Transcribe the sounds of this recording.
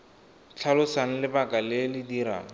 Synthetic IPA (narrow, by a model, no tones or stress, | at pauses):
t͡ɬʰalʊsan̩lɪbakʼalɪlɪdiɾa̰ːŋ̩